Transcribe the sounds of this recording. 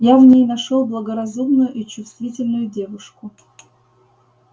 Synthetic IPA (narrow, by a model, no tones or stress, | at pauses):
javnʲejnɐʂolˠblˠəɡəɾɐzumnʊjʊʔit͡ɕʊst̪vʲitʲɪlʲnʊjʊdʲe̞vʊʂkʊ